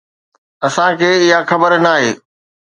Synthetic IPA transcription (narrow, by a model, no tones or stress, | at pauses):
ɐsãkʰeːɪɦaxɐbəɾnaːɦeː